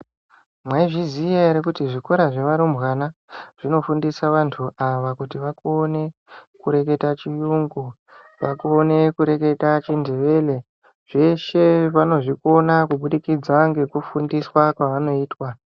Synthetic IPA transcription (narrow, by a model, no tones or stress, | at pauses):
mwaiʐizijeɾekutiʐikoɾaʐe̞ʋaɾumbwanaʐ̥ino̞fundisaʋantʰuʔaʋakutiʋakuone̞kuɾe̞k̬e̞tat͡ʃijuŋɡu | ʋa̰kuone̞kuɾe̞ke̞tat͡ʃindeʋe̞le̞ | ʐ̥e̞ʃe̞ʋano̞ʐiko̞nakuɓuɗikid͡zaŋɡe̞kufundiswakwaʋano̞iːtwa